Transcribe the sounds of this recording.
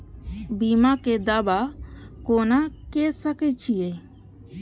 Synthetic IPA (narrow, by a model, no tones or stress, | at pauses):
biːmaked̪aːbakoːnakesəket͡ʃʰije